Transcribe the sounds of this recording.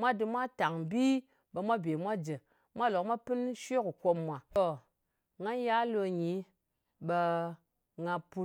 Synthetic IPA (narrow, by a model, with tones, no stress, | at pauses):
mʷa˦dɨ˧mʷa˦ta˨ŋbi˦ | ɓə˧mʷa˦be˨mʷa˦d͡ʒə˨ | mʷa˦˨lo˨kmʷa˦pɨ˦nʃʷe˦ku˨ko˧mmːʷa˨o˨ | ŋa˦nja˦lo˧ɲi˨˦ | ɓə˧ | ŋa˧pu˧t